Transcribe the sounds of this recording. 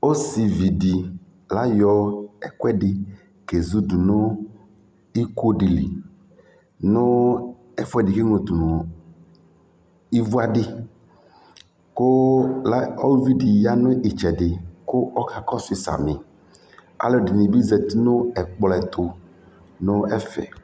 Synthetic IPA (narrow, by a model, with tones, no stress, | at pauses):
o˦si˨vi˨di˨ | la˦jɔ˦ɛ˨kɛ˦ɖɪ˨ | ke˨zu˦du˨nʊ˦ | i˦ko˦ɖi˨lḭ˨ | nʊ̃˦ | ɛ˨fɛ˨dɪ˨ke˦ŋo˨t̪u˨nʊ˨ | i˦vu˦a˦ɖɪ˦ | kʊ˦la˦ɔ˦vi˦di˨ja˦nʊ̃˦ʔi˨t͡ʃɛ˨dɪ˨kʊ˦ɔ˦ka˨kɔ˦sʊ˦ɪ˨sa̰˨mɪ˨ | a̰˨˦lɔ˦˨dɪ˨nĩ˨bi˦zɛ˨t̪nʊ̃˦ɛ˨k͡plɛ˨t̪ʰʊ˨ | nʊ̃˦ɛ˦fɛ̰˨